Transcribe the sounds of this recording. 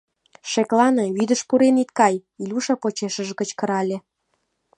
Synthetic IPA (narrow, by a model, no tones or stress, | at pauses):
ʃeklɑneβyd̪əʃpuɾenit̪̚kɑjilʲuʃɑpot͡ɕeʃəʒɡət͡ɕkə̆ɾɑlʲe